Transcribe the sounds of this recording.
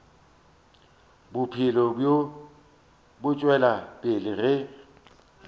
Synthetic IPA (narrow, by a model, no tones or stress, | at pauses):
bʊpʰɪlɔbjo | bʊt͡ʃʼwɛlapʼɪlɪrɪ